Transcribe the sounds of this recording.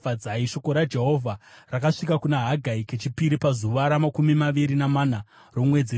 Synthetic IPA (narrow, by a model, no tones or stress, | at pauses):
ad͡zaiʃo̞ko̞ɾad͡ʒe̞ɦo̞vʱarakaʂikakunaɦaɡʱaike̞t͡ʃipiɾipazuʋaɾamakumimaʋiɾinamana | ro̞mwe̞d͡zi